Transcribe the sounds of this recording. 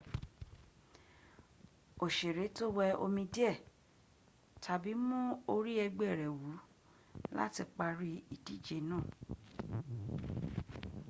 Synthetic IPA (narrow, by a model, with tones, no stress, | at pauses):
o˨ʃe˨ɾe˨˦to˦wɛ˧o̰˧mĩ˧di˦ɛ˦˨ | tʰa˨bi˨˦mũ˦o˧ɾi˦ɛ˧ɡ͡bɛ˦˨ɾɛ˨wu˨˦ | la̰˦ti˧k͡pa˧ɾi˦i˨di˦d͡ʒe˨˦nãː˦˨